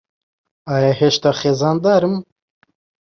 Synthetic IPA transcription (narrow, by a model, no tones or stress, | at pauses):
ɑːjɑheʃt̪axeːzɑːnd̪ɑːɾɨm